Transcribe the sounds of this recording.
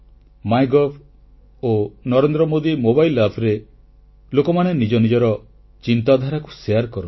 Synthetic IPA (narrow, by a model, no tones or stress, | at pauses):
majɡɔpʰ | onɔɾend̪ɾɔmod̪imobajlːapʰɾe | lokɔmanenid͡ʒɔnid͡ʒɔɾɔ | t͡ʃint̪ad̪ʱaɾaku̥seaɾkɔɾɔ